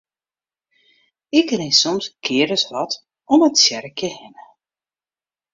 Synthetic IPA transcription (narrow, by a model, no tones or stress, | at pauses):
ɪkənesɔmskʰɪːɾəsʋɑt | ɔmətsjɛɾəkʰjəhɛnə